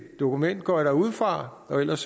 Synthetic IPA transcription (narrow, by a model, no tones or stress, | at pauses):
d̥o̝kʰumen̰d̥̚ɡ̥ɒɐɾ̥ɑ̈uð̞̰ˠfʁɑ̈ | ɒ̽el̰ɐs